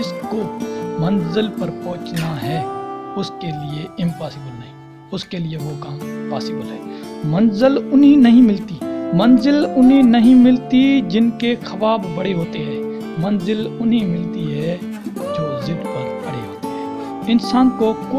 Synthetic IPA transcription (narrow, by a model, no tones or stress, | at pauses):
d͡ʒɪskomɐ̃nzɪlpɐɾpɔ̃ɦʊ̃t͡ʃnaɦɛːʊskelɪeɪ̃mpaːsɪːbəlnɐɦĩː | ʊskelieʋokaːmpaːsɪbəlɦɛːmɐnzɪlʊnɦinɐɦĩmɪlt̪iːmɐ̃nzɪlʊnɦinɐɦĩmɪlt̪id͡ʒɪnkexʰɐbaːbːɐɽeɦoːt̪eɦɛ̃ː | mɐnzɪlʊnɦĩmɪlt̪iɦɛ | d͡ʒoːzɪd̪pɐɾkɐɽeɦoːt̪eɦɛ̃ː | ɪnsaːnkoko